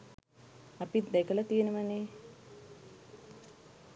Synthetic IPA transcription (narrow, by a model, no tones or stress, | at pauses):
apid̪ɛkələt̪ijenəməneː